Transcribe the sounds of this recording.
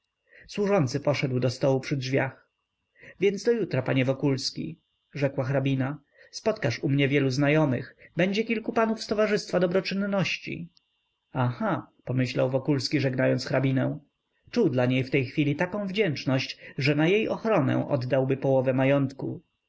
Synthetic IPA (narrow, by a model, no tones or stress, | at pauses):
swuʐɔnt̪sɘpɔʂɛd̪wd̪ɔst̪ɔwupʂɘdʐvʲjax | vʲjɛnd̪zd̪ɔjut̪ɾapaɲɛvɔkulskʲḭ | ʐɛkwaxɾabʲina | spɔt̪kaʂumɲɛvʲjɛluznajɔmɘ̰xbɛɲd͡ʑɛkʲilkupanufst̪ɔvaʐɘst̪fad̪ɔbɾɔt͡ʂɘnːɔɕt͡ɕḭ | axapɔmɘɕlawvɔkulskʲiʐɛɡnajɔnt̪sxɾabʲinɛ̰w̃ | t͡ʂuwd̪laɲejft̪ɛjxfʲilʲit̪akɔ̃w̃vd͡ʑɛnt͡ʂnɔɕt͡ɕʐɛnajejʔɔxɾɔnɛ̰̃ʔɔ̰d̪ːawbɘpɔwɔvɛmajɔnt̪kṵ